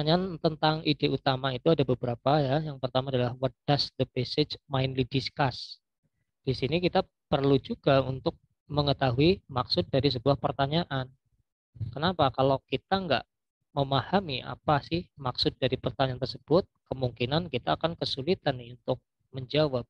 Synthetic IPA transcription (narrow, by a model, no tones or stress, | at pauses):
aɲant̪ənt̪aŋideut̪amait̪uadabəbəɾapajajaŋpərt̪amaːdalahwɔt̪̚d̥asd̪əpesed͡ʒmaɪnlidiskas | d̥isinikit̪a | pərlud͡ʒuɡaunt̪ʊk̚ | məŋət̪aɦuimaksʊt̪̚daɾis̬əbuahpərt̪aɲaʔan | kənapakalawkit̪aŋɡa̰ʔ | məmahamiʔa̰pasɪhmaksʊt̪̚daɾipərt̪aɲant̪ərsəb̥ʊt̪̚kəmuŋkinankit̪aːkankəsulit̪anːɪunt̪ʊk̚ | məɲd͡ʒawap̚